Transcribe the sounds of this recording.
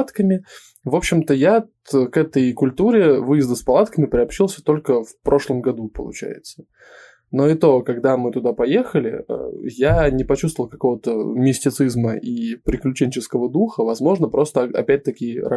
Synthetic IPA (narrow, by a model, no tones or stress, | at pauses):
t̪kəmʲɪ | vo̞pɕːɪmt̪əjat̪kɛt̪əjkʊlʲt̪uɾʲɪvɨjɪzd̪əspɐlˠat̪kəmʲɪpɾʲɪɐpɕilˠsʲət̪o̞lʲkəfpɾʔo̞ʂlˠəmɡɐd̪upə̰lˠʊ̰t͡ɕæ̰jɪ̰t̪sə̥ | no̞ɪt̪o̞kɐɡd̪amɨt̪ʊd̪apɐjexəlʲɪ̰ə̰janʲɪpɐt͡ɕust̪vəlˠkɐko̞vət̪əmʲɪsʲtʲɪt̪sɨzməʔipɾʲɪklʲʉt͡ɕenʲt͡ɕɪskəvəd̪uxəvɐzmo̞ʐnəpɾo̞st̪əɐ̰pʲæt̚ʲt̪əkʲɪɾ